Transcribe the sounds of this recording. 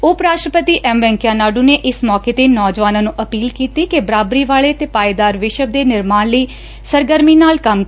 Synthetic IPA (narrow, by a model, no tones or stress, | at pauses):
ʊpɾaːʃʈɾəpət̪iːʔɛmʋɛ̃ːŋkjaːnaːɖuːneːʔɪsmɔːkeːt̪eːnɔːd͡ʒʋaːnãːnũːʔəpiːlkiːt̪iːkebəɾaːbɾiːʋaːɭeːt̪eːpaːid̪aːɾʋɪʃəb̚d̪eːnɪɾmaːnləiː | səɾɡəɾmiːnaːlkəm